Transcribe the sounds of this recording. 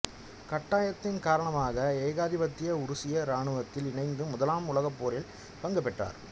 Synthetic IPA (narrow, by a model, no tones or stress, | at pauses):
kɐʈːaːjɐt̪ːɪnkaːɾɐɳɐmaːɣɐeːɣaːðɪbɐt̪ːɪjɐʊɾʊsɪjɐɾaːɳɯɣɐt̪ːɪlɪɳɐɪnd̪ɯmʊðɐlaːmʊlɐɣɐpːoːɾɪl | pɐŋɡɐpːɛʈra̰ːɾ